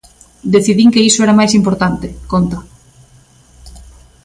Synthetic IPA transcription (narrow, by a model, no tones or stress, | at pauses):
d̪eθiðiŋkeisoɛɾamajs̬impoɾt̪ant̪ɪkont̪a